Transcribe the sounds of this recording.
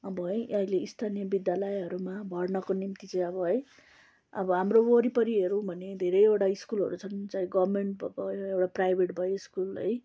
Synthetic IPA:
ʌbʌɦʌjʌileist̪ʰanijʌbid̪jalʌjɦʌɾumabʱʌrnʌkonimt̪it͡sʌj̃ʌbʌɦʌj | ʌ̰bʌɦamrooɾipʌɾiɦeɾũbʱʌned̪ʱeɾʌjewʈaiskulʌ̰ɾut͡sʰʌnt͡saĩɡʌbmeɳʈbʌ̰bʌjoewʈaprajbʱeʈbʱʌjoiskulʌ̰j

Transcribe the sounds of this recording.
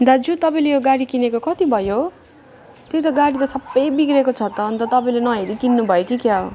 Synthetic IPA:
d̪ad͡zut̪ʌpãĩlejoɡaɽikinekokʌt̪ibʱʌjo | t̪jet̪ʌɡaɽit̪ʌsʌbːʌjbikɾekot͡sʰʌt̪ʌːnt̪ʌt̪ʌpãĩlenʌɦeɾikinːubʱʌjokikjao

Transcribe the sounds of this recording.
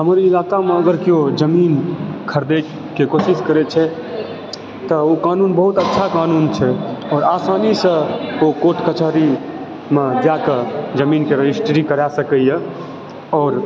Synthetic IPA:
ɦəmɾiːlaːkamẽəɡəɾkiod͡ʒəmiːnkʰəɾd̪e | kekosiskəɾet͡ʃʰɛ | t̪əokaːnuːnbəɦut̪ətːʃʰakaːnunt͡ʃʰɛɔːɾaːsaːnisə̃okoʈʰkət͡ʃaɾi | mẽd͡ʒaked͡ʒəmiːnkeɾəd͡ʒisʈɾikəɾasəkəjə | ɔːɾ

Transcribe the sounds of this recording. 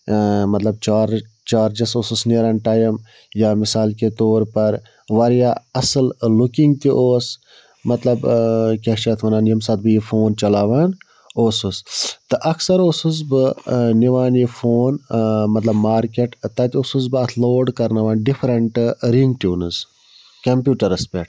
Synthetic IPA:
mɐt̪lɐb̚t͡ʃaːɾ | t͡ʃaːɾd͡ʒɐsoːsusneːɾɐnʈaːjɐm | jaːmɪsaːlket̪oːɾpɐɾ | ʋɐɾjaːɐsɨllukiŋɡ̚t̪iʔoːs | mɐt̪lɐbkʲaːʃɐt̪ʰʋɐnaːnjɐmsɐt̪̚bɨjifʰoːnt͡ʃɐlaːʋaːn | oːsust̪ɨʔɐksɐɾoːsuzbɨniʋaːnjifʰoːnmɐt̪lɐbmaːɾkeʈt̪ɐt̪iosusbɨɐt̪ʰloːɖkɐɾnaʋaːnɖipʰɾɐɳʈɾiŋɡʈjuːnɨz | kɐmpjuːʈɐɾɐspeʈ

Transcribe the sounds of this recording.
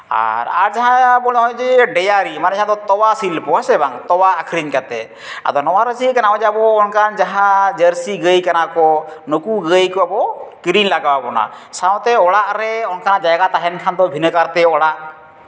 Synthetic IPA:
a̰ɾa̰ɾd͡ʒaɦãbɔɽɛɦɔjd͡ʒɛɖɛjaɾimanɛd͡ʒaɦãd̪ɔt̪ɔwasilpɔasɛbaŋt̪ɔwaːkʰɾiɲkat̪ɛ | a̰d̪ɔnɔwaɾəsikanaɦɔ̃d͡ʒɛabɔːnkʰand͡ʒaɦãd͡ʒəɾsiɡəjkanakɔnokuɡəjkɔabɔkɾinlaɡawapɔna̰ | saw̃t̪ɛɔɽaʔɾɛɔnkʰanad͡ʒaɡat̪aɦɛnkʰand̪ɔbʱinəkaɾt̪ɛɔɽaʔ

